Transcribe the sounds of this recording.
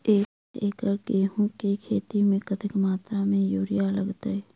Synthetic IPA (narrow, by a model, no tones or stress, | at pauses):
eː | eːkəɾkeːɦõkekʰeːt̪imẽkət̪ɪkmaːt̪ɾamẽjuːɾɪjaləɡt̪aɛ